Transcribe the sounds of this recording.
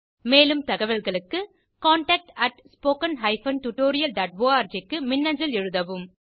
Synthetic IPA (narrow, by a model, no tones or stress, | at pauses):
meːlɯmt̪ɐɣɐʋɐlɣɐɭɯkːɯ | kaːɳʈɐːk̚ʈɐʈspoːkɐnɦɐɪfɐnʈuʈːoːɾɪjɐlɖaːʈ̚ʋoːaːɾd͡ʒɐkːɯmɪnːɐɲd͡ʒɐlɛɻɯðɐʋɯm